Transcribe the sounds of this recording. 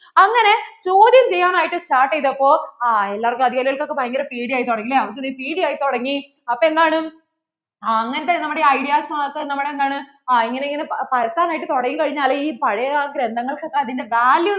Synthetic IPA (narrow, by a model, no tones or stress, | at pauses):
ɐŋːɐne̞t͡ɕoːd̪jɐmt͡ɕejːaːmaːjiʈːɨsʈaːrʈːejt̪ːɐpːo̞ːelːaːrkːɐd̪iɣaːɾiɣɐɭko̞kːepɐjɐŋɡɐɾɐpiːɽijaːjit̪oɽɐŋːilːeɐʋt̪ːɐðipiːɽijaːjit̪oɽɐŋːi | ɐpːoe̞nd̪aːɳɨ | ŋːɐnɐt̪ːenɐmːuɽeɐjɽijaːsɐmaokːenɐmːuɽeend̪aːɳɨ | iŋːɐneiŋːɐnepɐɾɐt̪ːaːnaːjiʈːɨt̪oɽɐŋːikɐɻiɲːaːlɐiːpɐɻɐjɐkɾend̪ɐŋːɐɭko̞kːeɐðinde̞ʋaːlju